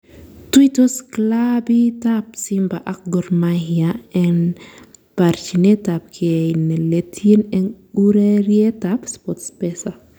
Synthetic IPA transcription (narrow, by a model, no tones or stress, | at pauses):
twitɔsklabitap̚simbaʔak̚ɡɔɾmahiaɛn | paɾt͡ʃinɛtap̚kʰiɛnɛletʰinɛɡuɾeɾjɛtapspɔtspɛsa